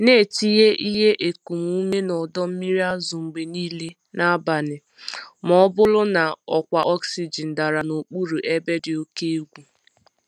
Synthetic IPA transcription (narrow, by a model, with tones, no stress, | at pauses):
ne˦˨ti˦ɦe˦ʔi˦ɦe˦ʔe˨ku˨m˦u˦me˦nɔ˨dɔ˦m̩˦mi˦ɾi˦a˦zʊ˨ŋ͡m̩˨ɡ͡be˨niː˦le˦ | na˦ba˨nɪ˨ | mɔ˨˦bʊ˦lʊ˦na˨ɔ˨kʷa˨ʔɔ˦ksi˨d͡ʒi˨n̩˨da˨ɾa˨no˨k͡pu˦ɾu˨ʔe˦be˦dɪ˨o˦ke˦e˦ɡʷu˦